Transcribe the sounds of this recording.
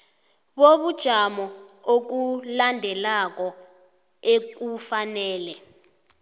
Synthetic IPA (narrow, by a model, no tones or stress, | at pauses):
ɓoɓud̥ʒ̥ʱamɔok̬ulandʱɛlak̬ɔ | ek̬ufanɛːlɛ